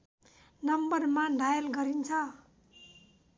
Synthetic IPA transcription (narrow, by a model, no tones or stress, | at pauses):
nʌmbʌrmaɖʱajʌlɡʌɾint͡sʰʌ